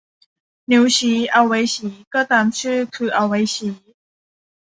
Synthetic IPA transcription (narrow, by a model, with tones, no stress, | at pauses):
nju˨˧˩ɕi˨˦a˨˧˩wwe˨˧˦jɕiː˨˦kɤ˥˨t̪a˧˩mt͡ɕʰɨ˥˧kʰɨ˨˩ʔa˨˧˩wwe˨˧˦jɕi˨˦